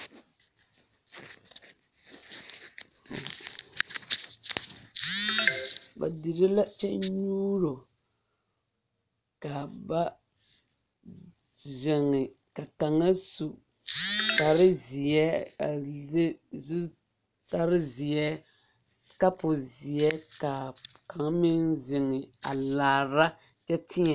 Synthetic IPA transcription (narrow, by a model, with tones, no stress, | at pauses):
ba̰˨di˨ɾɪ˦la˦t͡ʃɛ˦ɲuː˦ɾo˨ | ka˨ba˦ | zɪ˨ŋːɪ˨ | ka˨ka˨ŋa˦su˨ | ta˨ɾɪ˦zi˨ɛ˦a˨ze˦zu˦ | ta˦ɾɪ˦zɪ˨ɛ˦ | ka˦pʊ˨zɪ˨ɛ˦ka˨ | ka˨ŋa˦mɪ˦nzɪ˨ŋɪ˨a˨laː˨ɾa˦ | t͡ʃɛ˦tʰɪ˦ɲɛ˨